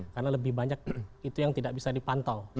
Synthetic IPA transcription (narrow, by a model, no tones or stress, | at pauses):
karnaləbɪhbaɲak̚it̪ujaŋt̪idaʔbisadipant̪aw